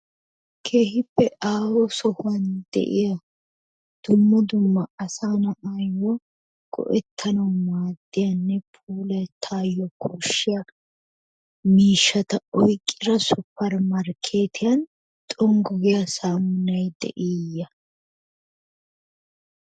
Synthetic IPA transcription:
kʰeːhɪpːɛʔaːwɔsɔhʊwɐnd̪ɛ̰ʔɪjɐ | d̪̥ʊmːɐd̪ʊmːɐːsaːnɐaːjːɔ | ɡ̥ɔ̰ʔɛt̪ʰːɐnɐwmaːd̪ːɪjɐnːɛpʰuːlɐt̪ʰaːjːɔkʰɔʃːɪjɐ | miːʃːɐt̪ɐɔjkʼːɪɾɐsʊpːɐɾmɐɾkʰe̞ːt̪ʰɪjɐn | t̪ʼɔŋɡɔɡɪjɐsaːmʊnɐjd̪ɛ̰ʔijːɐ

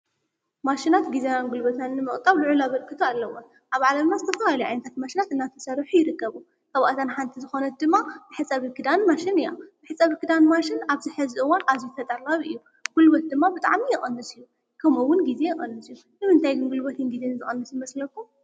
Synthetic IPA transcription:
maʃinat̪ɡizenanɡulbot̪ʰanːɨmɨχʼt̪ʼaβlɨʕulaβɐlkʰɨt̪ʰualːɐwon | ʔaβʕalɐmnazɨt̪ʰɐfɐlalɐjʔajnɐt̪ʰat̪̚maʃinat̪ɨnːat̪ʰɐsɐɾħujɪɾɨkːɐβu | kʰɐβaʔt̪ʰanħant̪ʰizɨxo̞nɐt̪̚d̪ɨmːabɨħɨsʼɐβikɨd̪anmaʃinɨjabɨħɨsʼaβikɨd̪anmaʃɪnaβzɨħɨzɨʔɨwanʔazit̪ʰɐt̪ʼɐlaβɨ̰jːu | ɡ̥ulbot̪̚d̪ɨmːabɨt̪ʼa̰ʕmijɛχʼɐnːɨsɨjːu | kʰɐmuwːʊnɡize̞jɛχʼɐnːɨsɨju | nɨmɨnt̪ʰajɡɨnɡulbot̪ʰɨnɡize̞nɨzɨχʼɐnːɨsjɨmɐslɐkːu

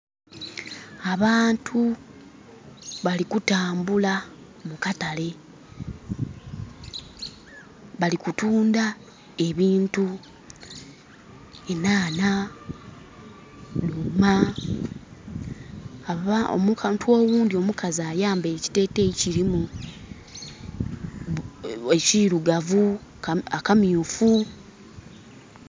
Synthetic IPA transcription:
aβaːntʰu | βalikutaːmbula | mukatale̞ | βalikutuːnda | e̞βiːntu | e̞naːna | numa | aao̰mukantuo̞ːwuːndio̞mukazaːjaːmbeci̥te̞ːte̞ciɾimu | eciɾuɡavuakamiufu

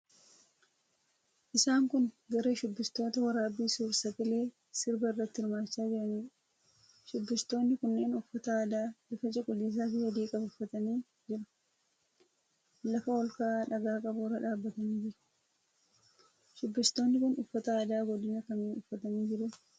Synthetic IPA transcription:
ʔɪsaːŋkʊnɡɐɾeːʃʊbːɪst̪o̞ːt̪ɐwɐɾaːbiːsuːɾsɐɡɪle̞ː | sɪɾbɐɪrːɐt̪ːɪhɪɾmaːt͡ʃːaːd͡ʒɪɾɐniː | ʃʊbːɪst̪o̞ːnːɪkʊnːe̞ːnʊfːɐt̪ɐaːd̪aːlɪfɐt͡ʃʼɪkʼʊlːiːs̬aːfɪhɔd̪iːkʼɐbʊfːɐt̪ɐniː | d͡ʒɪɾɐ̥ | lɐfɐɔlkaːᶑɐɡaːkʼɐbʊːɾɐᶑaːbːɐt̪ɐniːd͡ʒɪɾɐ̥ | ʃʊbːɪst̪o̞ːnːɪkʊnʊfːɐt̪ɐaːd̪aːɡɔd̪ɪnɐkɐmeːnʊfːɐt̪ɐniːd͡ʒɪɾʊ

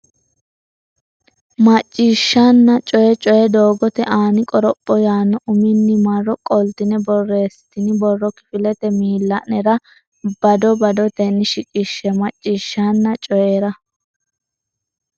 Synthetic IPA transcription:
mɐt͡ʃʼːiːʃːɐnːɐt͡ʃʼɔjɛt͡ʃʼɔjɛd̪oːɡɔt̪ɛʔaːnɪkʼɔɾɔpʼːɔjaːnːɔʔʊmɪnːɪmɐrːɔkʼɔlt̪ɪnɛbɔrːeːst̪ɪnɪbɔrːɔkɪ̥fɪlɛt̪ɛmiːlːɐʔnɛɾɐ | b̥ɐd̪ɔbɐd̪ɔt̪ɛnːɪʃɪkʼɪʃːɛmɐt͡ʃʼːiːʃːanːɐt͡ʃʼɔjeːɾɐ

